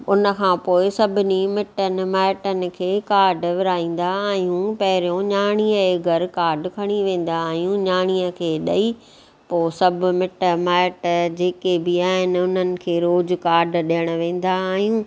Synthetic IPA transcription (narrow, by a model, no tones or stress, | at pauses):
ʊnə̆kʰãːpoːɪsɐbʱɪnimɪʈənɪ̆maːʈənɪ̆kʰeːkaːɾɖʋɪɾaːĩːn̆d̪aaːɦijũpɐɦɪɾijõɲaːɽ̃iəeːɡəɾkaːɾɖkʰɐɽ̃iʋẽːn̆d̪aːɦijũɲaːɽ̃iːəkʰeːɗɐi | poːsɐbʱʊ̆mɪʈəmaːʈd͡ʑeːkebɪaːɦɪnɪ̆ʊn̤ənɪ̆kʰeːɾoːd͡ʑkaːɾɖɗejəɽ̃ə̆ʋẽːn̆d̪aːɦijũː